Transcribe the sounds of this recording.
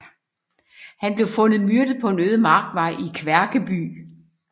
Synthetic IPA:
hænb̥le̝ʊfɔ̽nð̩ˠmyɐ̰d̥əð̩ˠpʰɒ̽e̝nøːð̞ˠəmɑ̈ːɡ̥̚d̥ʋɑ̈ɪ̰ikʰʋæɐɡ̥əb̥y̰ː

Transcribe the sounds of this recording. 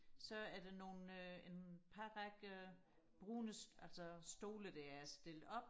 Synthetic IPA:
sɒ̽æɐd̥eno̝ːn̩øe̝npʰɑʁaɡ̥ə | b̥ʁuːnəsælsɒsd̥o̝ːləd̥æɐæɐsd̥e̝l̰d̥ɒ̽b̥

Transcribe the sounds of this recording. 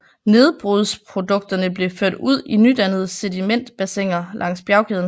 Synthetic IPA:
ne̝ð̞ˠb̥ʁuðˠspʰʁo̝d̥ɔ̽ɡ̥̚d̥ɐnəb̥le̝føɐ̰d̥uð̞̰ˠinyd̥ænð̞̩ˠsed̥imen̰d̥b̥æseŋ̰ɐlʔɑ̈ŋ̰sb̥jɑ̈ʊkʰeðˠn̩

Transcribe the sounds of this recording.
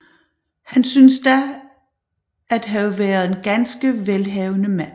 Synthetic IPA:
hænsynsd̥æ | æd̥ɦæʋæɐðˠe̝nɡ̥ænsɡ̥əʋelɦɛʊnəmæn

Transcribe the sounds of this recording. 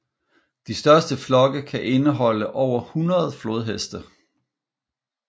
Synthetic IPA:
d̥isd̥ɶɐsd̥əflɒ̽ɡ̥əkʰæʔe̝nəɦɒ̽l̰əʔɒʊ̰ɐhunɐð̞̩ˠflo̝ð̞ˠɦesd̥ɐ

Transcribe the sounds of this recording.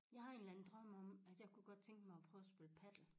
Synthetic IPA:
jɑ̈ɪhɑ̈e̝nlæn̩d̥ʁɶm̰ɒ̽mæd̥jɑ̈ɪkʰuɡ̥ɒ̽d̥̚t͡sʰeŋ̰ɡ̥əmɑ̈ɪɒ̽pʰʁœːʊsb̥eləpʰæd̥l̩

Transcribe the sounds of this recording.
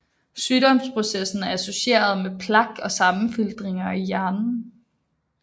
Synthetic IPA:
syːɾ̥ɒ̽mspʰʁo̝sesn̩æɐæso̝ɕe̝̰ːɐð̞ˠmepʰlɑ̈ɡ̥ɒ̽sɑ̈mn̩fild̥ʁeŋɐijæɐnn̩

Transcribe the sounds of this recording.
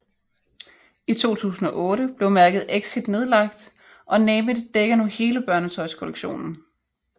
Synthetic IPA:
it͡sʰo̝̰ːt͡sʰṵːsn̩ɒ̽ʔɔ̽ːɾəb̥le̝ʊmæɐɡ̥ð̩ˠeɡ̥sid̥ne̝ð̞ˠlɑ̈ɡ̥̚d̥ | ʔɒ̽nɛːmidd̥eɡ̥ɐnuhe̝ːləb̥ɶɐnət͡sʰɒ̽ɪskʰoleɡ̥ɕo̝̰ːnn̩

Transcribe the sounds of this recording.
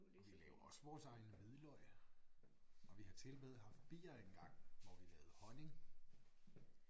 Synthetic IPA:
ɒʋilɛːʊɐɒ̽sʋɒ̰ːsɑ̈ɪnəmiðˠlɒɪ | ɒ̽ʋihɑ̈t͡sʰe̝lb̥eːð̩ˠɦɑ̈fd̥̚b̥ḭːɐenɡ̥ɑ̈ŋ̰ʋɒʋilɛːʊð̩ˠhɒ̽ne̝ŋ

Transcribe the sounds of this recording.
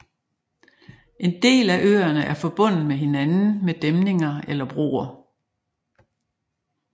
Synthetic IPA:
e̝nd̥e̝̰ːlæʔø̰ːɐnəʔæɐfɒ̽b̥ɔ̽n̰ð̩meɦe̝nænn̩med̥emne̝ŋɐelɐb̥ʁo̝̰ːɐ

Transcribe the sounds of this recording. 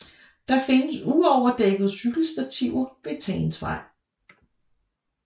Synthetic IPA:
d̥ɑ̈fe̝nəsuɒʊɐd̥eɡ̥ð̩ˠsyɡ̥l̩sd̥æt͡sʰiʊɐb̥e̝t͡sʰɛːnsʋɑ̰̈ɪ̰

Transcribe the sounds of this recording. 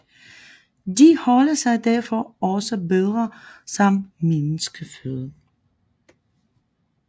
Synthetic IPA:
d̥ihɒlɐsɑ̈ɪd̥æɐfɒɒ̽səbeðˠʁɐsɒ̽mmenəsɡ̥əføðˠ

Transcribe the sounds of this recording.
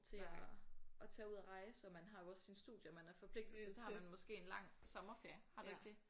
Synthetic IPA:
t͡sʰe̝ɒɒ̽t͡sʰɛ̰ːuð̞̰ˠɐʁɑ̈ɪəsɒ̽mænɦɑ̈jo̝ɒ̽sːinsd̥ṵːðˠjəɒmænæɐfɒ̽pʰle̝ɡ̥d̥l̩sesɒhɑmænmɒ̽sɡ̥e̝̰ːe̝nlɑ̈ŋ̰sɒ̽mɐfeɐ̰hɑ̈due̝ɡ̥d̥e̝

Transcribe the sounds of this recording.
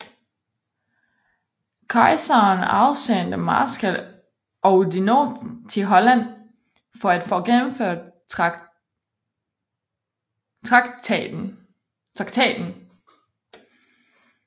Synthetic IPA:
kʰɑ̈ɪsɐnɑ̈ʊsend̥əmɑ̰ːsɡ̥æl | ɒʊdinot͡sʰe̝ɦɒ̽læn̰ | fɒ̽æd̥fɔ̰̽ːɡ̥enm̩føɐ̰d̥̚ | t͡sʰʁɑ̈ɡ̥ | t͡sʰʁɑ̈ɡ̥t͡sʰɛ̰ːd̥n̩

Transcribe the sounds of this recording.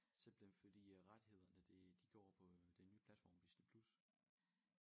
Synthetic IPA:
semb̥l̩enfɒd̥ḭːʁad̥he̝ð̞̰ˠɐnəd̥ed̥iɡ̥jɒ̰ːpʰɒ̽d̥enyːpʰl̥æd̥fɒ̰ːmʋisd̥əpʰlus

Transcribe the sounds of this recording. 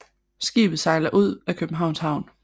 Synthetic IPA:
sɡ̥ḭːb̥ð̩ˠsɑ̈ɪlɐʔuð̞̰ˠækʰøb̥m̩ɦɑ̈ʊnshɑ̈ʊ̰n

